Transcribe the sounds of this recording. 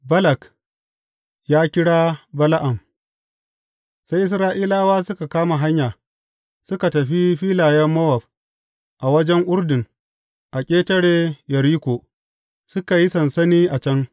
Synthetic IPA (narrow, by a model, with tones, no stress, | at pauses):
bɐ˦lɐ˨k | jaː˦kʲɪ˦ɽaː˦bɐ˦la˦ʔa˨m | sa˦jʔɪ˦s̬ɾaː˦ʔiː˦laː˦waː˦sʊ˦ka˨kaː˦ma˨ɦa˦ɲjaː˨ | sʊ˦ka˨tɐ˨ɸi˦ɸiː˦laː˨jɐ˦mːɐ˦wɐ˨ɸ | ʔa˨wɐ˦d͡ʒɛ˦ŋʔʊ˦ɾdɪ˨ŋ | ʔa˨kʲʼeː˦tɐ˦ɽeː˨jɐ˨ɾiː˦kʷoː˨ | sʊ˦ka˨ji˦sɐ˨nsɐ˦niː˦ʔa˨t͡ʃɐ˦ŋ